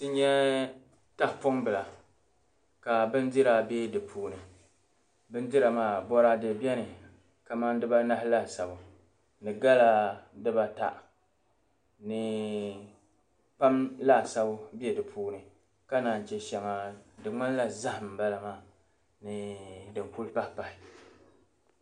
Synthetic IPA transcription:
tɨ˦ɲɛ˦ | ta˦hpʊ˦mbɨ˨la˨ | ka˨bɨ˦n˦dɪ˦ɾa˦˨be˦dɨ˨pʰuː˦nɨ˨ | bɨ˦n˦di˦ɾa˨maː˦˨bɔ˦ɾa˦de˨bjɛ˦nɨ˨ | ka˨ma˦n˦dɨ˦ba˦na˦hla˦˨sa˨bʊ˨ | nɨ˨ɡa˦la˦dɨ˦ba˦ta̰˨ʔ | nɨ˨ | pa˦mla˦˨sa˦bʊ˦bi˦ɛ˨dɨ˨pʰuː˦nɨ˨ | ka˦naː˨n˨t͡ʃɛ˦ʃɛ˨ŋa˨dɨ˨ŋ͡ma˦n˦la˨za˦hm̩˨ba˦la˨maː˦˨ | nɨ˨dɨ˨ŋ˨ku˦lpa˦hpa˨hɪ˨

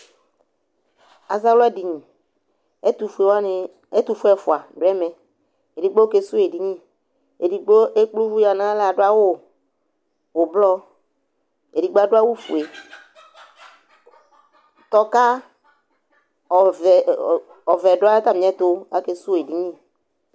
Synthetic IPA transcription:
a̰˨za˦lɔ˦ɛ˦di˨ɲĩ˨˦ | t̪u˨fu˨e˨wn˨ | e˦t̪u˨fu˦ɛ˦˨fu˨a˨dʊ˨˦ɛ˦mɛ˨ | e˨di˨ɡ͡bo˦ke˦su˦e˨di˨ɲĩ˦ | e˨di˨ɡ͡bo˦ʔe˦k͡plu˦vu˦ja˨nã˦la˨ɖo˦a˦wo˦ | wo˨blɔ˦ | e˨di˨ɡ͡ba˦ɖo˦a˦wu˦fṵ˨e˨ | t̪ɔ˨ka˦˨ | ɔ˨vɛ˨ɖʊ˨˦a˦ka˦mĩ˨˦ɛ˦t̪o˦a˦ke˨su˦˨e˨di˨ɲĩ˦˨

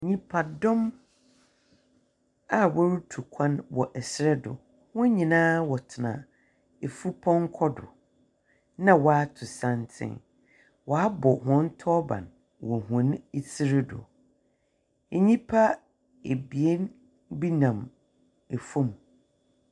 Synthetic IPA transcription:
ɲĩ˦pʰa˨dɔ̃˦m | a˦wɔ˦ɾu˦tʰu˨kʷʰã˦nwɔ˨ʔɛ˨sɾɛ˦dʊ̰˨ | hʊ̃˦ɲĩ˨nãː˦wɔ˨tʰɪ˨nã̰˨ | e˨fu˦pʰɔ̃˦ŋ˦kʰɔ˦dʊ̰˨ | nã˦˨wɔ˨a˦tʰʊ˨sã˦n˦tʰɪ̰̃˦n | wɔ˨a˦bɔ˨hʊ̃˨n̩˦tʰɔ˦bã̰˨n | wɔ˨ɦʊ̃˨˦n˦e˨si˦ɾɪ˦dʊ̰˨ | e˨ɲĩ˦pʰa˦ | e˨bi˨e˦n | bi˦nã˨m | e˨fũ˦m˨

